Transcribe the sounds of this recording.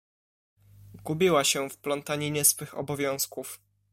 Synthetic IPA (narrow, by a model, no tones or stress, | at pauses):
ɡubʲiwaɕɛfplɔnt̪aɲiɲɛsfɘxɔ̰bɔvʲjɔ̃w̃skuf